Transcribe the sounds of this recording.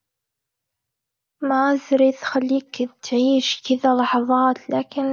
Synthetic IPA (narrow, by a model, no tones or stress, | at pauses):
maazɾid̪xalːiːkt̪ʕiːʃkɪðalɑħɑðˤɑːt̪laːkɪn